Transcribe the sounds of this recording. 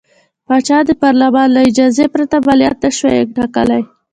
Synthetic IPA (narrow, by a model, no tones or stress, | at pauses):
pɑt͡ʃɑd̪əpɑɾlamɑnlaɪd͡ʒɑzepɾat̪abalijat̪̚naʃwḛjḛɡ̚ʈɑkəlaj